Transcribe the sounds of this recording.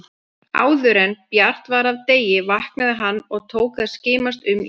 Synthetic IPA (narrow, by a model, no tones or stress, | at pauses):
a̰ːwðʏɾɛnpjar̥t̪vaɾavt̪eːjɪvahknaðɪɦanːɔɣt̪ʰoːwkθaðscɪːmast̪ʏm